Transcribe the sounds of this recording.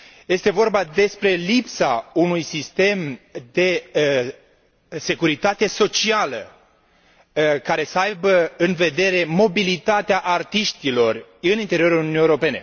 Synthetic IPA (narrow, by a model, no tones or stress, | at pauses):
je̞st̪e̞vo̞rbad̪e̞spɾe̞lipsaunujsist̪e̞md̪e̞ | se̞kuɾit̪at̪e̞so̞t͡ʃialə̰ | kaɾe̞səajbəɨnve̞d̪e̞ɾe̞mo̞bilit̪at̪eaʔart̪iʃt̪ilo̞rɨnint̪e̞ɾio̞ɾulununijewɾo̞pe̞ne̞̰